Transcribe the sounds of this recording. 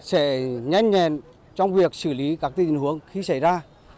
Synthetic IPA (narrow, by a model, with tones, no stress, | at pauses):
sɛ̰˧˥ɲa˧jŋɲɛ˨˩n | t͡ɕɔ˧wŋ͡mvi˨˩ək̚sɨ˧˩li˨˦kaː˦˥k̚t̪i˧˨hu˨˦əŋxi˧sa˧˩jzaː˧